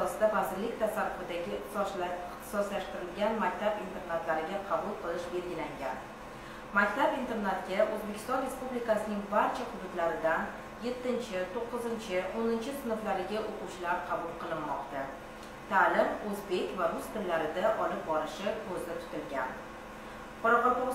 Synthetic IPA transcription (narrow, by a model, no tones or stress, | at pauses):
ɒsd̪avazɪɾlɪkʲt̪ʰasaɾːʊfɪd̪aɡʲɪt̪ | t̪ʰɪ̥sɒslaʃt̪ɪɾɪlɡʲanmakʲt̪ʰabint̪ʰe̞ɾnat̪laɾɪɡʲaqʰɑbulˠqʰɨlˠɪʃbe̞lɡʲɪlaŋɡʲa̰n | makʲt̪abint̪e̞ɾnat̪kʲaʔɵzbekʲɪ̥st̪ɒnɾe̞spublikasɪnɪŋbaɾt͡ʃʰaqʰʊb̪ɪt̪laɾɪd̪an | je̞t̪ːɪnt͡ʃʰɪt̪ʰoqːɨzɪnt͡ʃʰɪonɪnt͡ʃʰɪsɪnɨflaɾɪɡʲaʔoqut͡ʃlaɾqʰɑbʊlˠqʰɨlˠɪnmɒqt̪a | t̪ʰaːlɪmɵzbe̞kʲvaɾʊst̪ʰɪllːaɾɪd̪aʔɒlɪp̚bɒɾɪʃɪkʰɵzɪt̪ʰʊ̥t̪ɪlɡʲan | qʰɒɾɑqɑpo